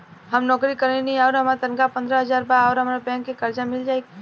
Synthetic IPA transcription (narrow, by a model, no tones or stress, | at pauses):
ɦəmnɔːkɾikəɾenĩaːɾɦəmaɾt̪ənkapə̃nd̪ɾəɦəzaːɾbaɔːɾɦəmːɾabɛ̃ːŋkːekəɾd͡ʒamɪld͡ʒaːeɡi